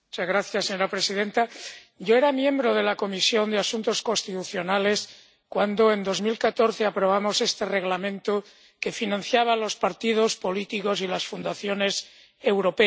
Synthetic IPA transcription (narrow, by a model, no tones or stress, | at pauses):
mut͡ʃazɣɾaθjasːeɲoɾapɾe̞sið̞ent̪a | ɟ͡ʝoeɾamjẽ̞mbɾoð̞e̞lako̞misjo̞nd̪easunt̪o̞sko̞nst̪it̪uθjo̞nale̞s | kwand̪oe̞nd̪o̞zmilkat̪o̞ɾθeapɾo̞β̞amo̞se̞st̪e̞re̞ɣlamẽ̞nt̪o | ke̞finãnθjaβ̞alo̞spaɾt̪ið̞o̞spo̞lit̪iko̞silasfund̪aθjo̞ne̞s | e̞wɾo̞pe